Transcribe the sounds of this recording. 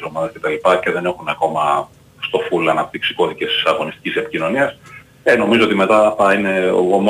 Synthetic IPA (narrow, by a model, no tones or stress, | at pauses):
so̞mɐðɐsce̞t̪ɐlipɐce̞ðe̞nexunɐko̞mɐ | st̪o̞fulɐnɐp̚t̪iksiko̞ðicesi̥sɐɣo̞nist̪icisepicino̞niɐs | eno̞mizo̞o̞t̪ime̞t̪ɐθɐine̞omo